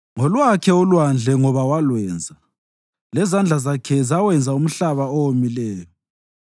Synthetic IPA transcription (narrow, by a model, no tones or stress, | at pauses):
ŋɔlwakʰɛulwand͡ɮʱɛŋɔβawalwɛːnd͡zʱa | lɛzand͡ɮʱazakʰɛzawɛnd͡zʱaum̩ɬaβaowomilɛːjɔ